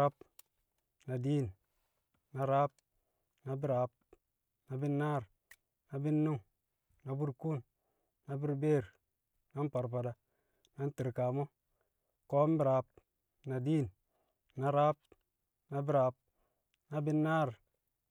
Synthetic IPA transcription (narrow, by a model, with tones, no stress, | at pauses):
a˦p | na˨diː˦˨n | na˨ɾa˦p̚ | na˨bi˦ɾa˨p̚ | na˨bi˦nːaː˦˨ɾ | na˨bi˦nːu˦ŋ | na˨bu˦ɾkuː˦˨n | na˨bi˦ɾbeː˦˨ɾ | na˦n˦pa˨ɾpa˨da˨ | na˦n˦ti˨ɾka˨mo˦ | koː˦m˦bi˨ɾa˨˦p̚ | na˨diː˦˨n | na˨ɾa˦p̚ | na˨bi˦ɾa˨p̚ | na˨bi˦nːaː˦˨ɾ